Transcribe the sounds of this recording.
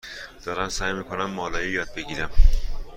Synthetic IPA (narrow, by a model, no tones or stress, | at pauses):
d̪̥ɒːɾænsæːjmiːkʰonæmːɒːlɒːjijɒːd̪̚be̞ɟiːɾæm